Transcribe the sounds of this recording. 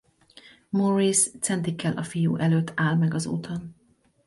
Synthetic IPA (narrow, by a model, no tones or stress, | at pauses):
morist̪sɛnt̪ikːɛlʔɒfijṵːʔɛløːt̪ʰːaːlmɛɡɒzo̰ːt̪ʰon